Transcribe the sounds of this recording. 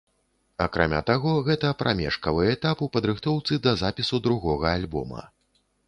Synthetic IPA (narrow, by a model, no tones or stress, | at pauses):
akɾa̰mʲa̰t̪aɣɔɣɛt̪ɐpɾʔamʲɛ̰ʂkɐvɨɛt̪apupɐd̪ɾɨxt̪ɔwt̪sɨd̪ɐzapʲisud̪ɾuɣɔɣɐalʲbɔ̰mɐ̰